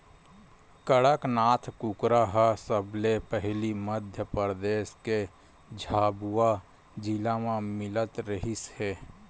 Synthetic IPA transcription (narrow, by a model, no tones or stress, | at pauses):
kəɽəknaːt̪ʰkukɾaɦəsəblepəɦliməd̪ʱjəpɾd̪eːske | d͡ʒʱaːbua | d͡ʒilamãmɪlət̪ɾəɦishɛː